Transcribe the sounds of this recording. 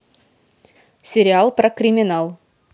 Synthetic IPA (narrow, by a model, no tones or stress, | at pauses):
sʲeɾʲialˠprakrʲimʲinalˠ